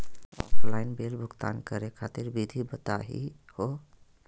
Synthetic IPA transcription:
ɔlaɪnbelbʱʊɡt̪a̰nkəɾekʰat̪iɾbid̪ʱibət̪a̰ɦḭ | ho

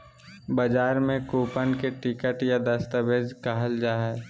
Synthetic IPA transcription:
bəd͡ʒaːɾmẽkoːpənkeʈɪkəʈjad̪əst̪əbeːd͡ʒkaɦəld͡ʒaːɦɛː

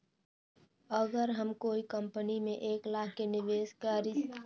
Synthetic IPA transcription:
əɡəɾɦəmkoːikə̃mpənimẽʔeːklaːkenɪʋeːskaɾi

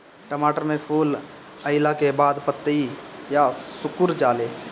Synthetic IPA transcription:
ʈəmaːʈəɾmẽpʰuːl | əɪlakebaːd̪pət̪ːəijasʊkʊɾd͡ʒaːleː

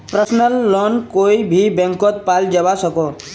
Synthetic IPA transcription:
pɾəsnəlːɔnkoːibʱibɛ̃ŋkot̪̚paːld͡ʒəʋasəko

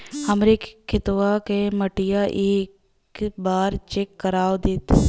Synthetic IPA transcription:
həmɾekkʰːɪt̪wakeməʈɪjaʔeːk | baːɾt͡ʃekːəɾaːwd̪eːt̪

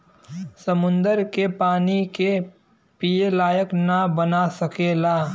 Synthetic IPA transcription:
sɐmʊ̃nd̪əɾkepaːnike | pijelaːjəknabɐnasɐkeːlaː

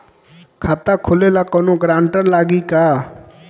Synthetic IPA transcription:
kʰaːt̪akʰʊleːlakɔnoɡɾãːɳʈəɾlaːɡikaː

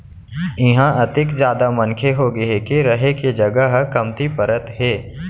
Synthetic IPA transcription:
ɪɦãʔɐt̪ɪkzjaːd̪amɐnkʰeɦoɡɐekeɾɐɦekid͡ʒɐɡəɦkɐmt̪ipəɾət̪ɦeː

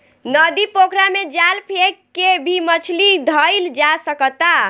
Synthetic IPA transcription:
nəd̪ipokʰɾamed͡ʒalpʰekːebʱimət͡ʃʰlid̪ʱəjld͡ʒasəkət̪a

